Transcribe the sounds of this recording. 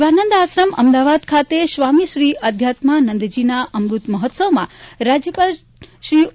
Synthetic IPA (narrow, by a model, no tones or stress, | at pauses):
ʋanənd̪asɾəmə̰md̪aʋad̪kʰat̪eʃʋamiʃɾiʔəd̪ʱjat̪manənd̪d͡ʒinaʔəmɾut̪məɦɔt̪səʋmãɾad͡ʒjəpal | ʃɾi